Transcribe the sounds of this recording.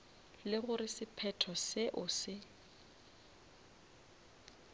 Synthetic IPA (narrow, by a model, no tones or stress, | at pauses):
lɪɣʊrɪsɪpʰɛtʰɔsɪʔʊsɪ